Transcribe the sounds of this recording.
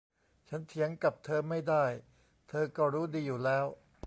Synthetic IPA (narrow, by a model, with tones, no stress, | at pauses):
t͡ɕʰa˦˥nt̪ʰi˦˥əŋka˨˩p̚t̪ʰɤː˧ma˥˩jdaː˥˩j | t̪ʰɤː˧kɔː˥˩ɾuː˦˥diː˧juː˨˩lɛː˦˥w